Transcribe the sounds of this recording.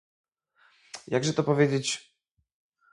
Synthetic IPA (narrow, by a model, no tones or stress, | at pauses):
jaɡʐɛt̪ɔpɔvʲjed͡ʑet͡ɕ